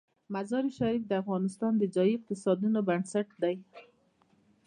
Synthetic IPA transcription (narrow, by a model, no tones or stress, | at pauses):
mazɑɾiʃaɾik̚d̪əafɣɑnɪst̪ɑnd̪əd͡ʒɑjiɪq̚t̪ɪsɑd̪unobansaʈ̚d̪aj